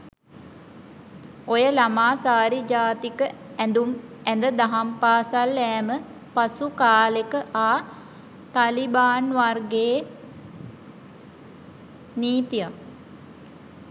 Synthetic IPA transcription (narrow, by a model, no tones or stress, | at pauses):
ojəlamaːsaːɾid͡ʒaːt̪ikəɛnd̪umɛnd̪əd̪aɦampaːsalːɛːmə | pasukaːlekəʔaː | t̪alibaːnʋarɡeː | niːt̪ija